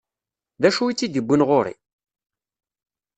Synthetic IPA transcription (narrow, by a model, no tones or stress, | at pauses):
ðæʃuit͡sːid̪əbːənʁoɾḭ